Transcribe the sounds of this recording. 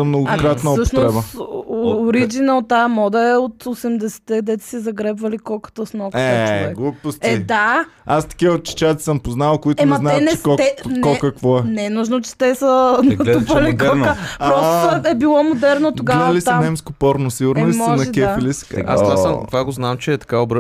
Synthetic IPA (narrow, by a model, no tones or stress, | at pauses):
sɐmnoɡkɾat̪nɐsəʃnt̪ɾɛsbə | ɾid͡ʒinəlˠt̪aəmɔd̪ɐɛot̪osɛmd̪ɛsɛ̥t̪ɛd̪ɛt̪ɛ̥sɛzɐɡɾɛbvɐlikɔkə̥t̪osnɔkɛt͡ʃvɛɡlˠupostɛid̪aast̪ɐ̥kʲiot̪̚t͡ʃi̥t͡ʃat̪i̥səmpoznavɐlˠkoit̪ɛmɛɐzatnt͡ʃɛkɔt̪nkːɔlkɐkvɔɛnɛnuʒnot͡ʃɛ̥t̪ɛsənɐt̪upɐlikɔəpɾɔst̪oɛbilˠɔmod̪ɛɾnot̪oɡaɐlisamnɛmskopɔɾnosiɡʊɾnolimɔɐnɐkʲɛfilisɛ̥ka̰amvaɡoznamt͡ʃɛːt̪ɐ̥kaobɾ